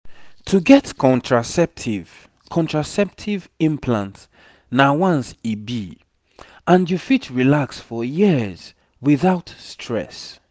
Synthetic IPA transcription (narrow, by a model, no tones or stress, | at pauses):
tʰuɡɛtkʰɔ̃ntʰɹasɛp̚tʰiv | kʰɔ̃ntɹasɛp̚tʰivĩmpʰlã̰nt | nawãnsibi | ãndjufitɹilaksfɔjiz̥ | wiθaʊtstʰɹɛ̰s